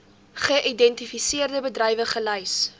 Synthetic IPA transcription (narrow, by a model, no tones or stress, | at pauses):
χəʔidɛntifisiərdəbədrɛjvəχəlɐjs